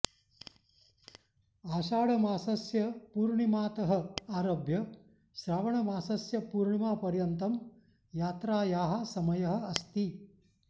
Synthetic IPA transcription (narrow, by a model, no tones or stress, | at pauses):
aːʃaːɽɐmaːsɐsjɐpuːɾɳimaːt̪ɐɦɐ̆aːɾoːbʱjɐ | ʃɾaːʋɐɳɐmaːsɐsjɐpuːɾɳimaːpɐɾjɐnt̪ɐm | jaːt̪ɾaːjaːɦɐ̆sɐmɐjɐɦɐ̆ɐst̪i